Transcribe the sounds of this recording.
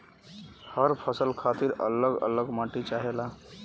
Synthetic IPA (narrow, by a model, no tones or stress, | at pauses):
həɾpʰəsəlkʰat̪iɾə̰ləɡə̰ləɡmaʈit͡ʃaɦela